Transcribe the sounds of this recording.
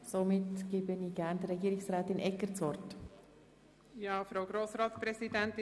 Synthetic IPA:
somɪtɡ̥eːbəniːɡ̥æɾndəɾːɛɡiːɾɪksʁɾaːtɪnʔɛkːəɾt͡sʋɔɾt | jɑːfɾaʊɡɾoːsɾɑːtspɾɛzidɛntɪ

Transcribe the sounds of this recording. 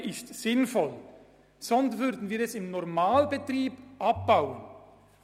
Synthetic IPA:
ɪstsɪnfɔl | sɔnstvʏɾdn̩viːɾɛsɪmnɔʁmaːlbətʁiːbʔap̚b̥aʊən

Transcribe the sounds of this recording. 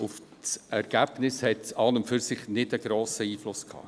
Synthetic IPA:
ʊf | sɛɾɡ̥æb̥nɪshɛtɑnəmfyɾsɪχnɪdəɡɾoːsəiːflʊskʰhɑ̰ː

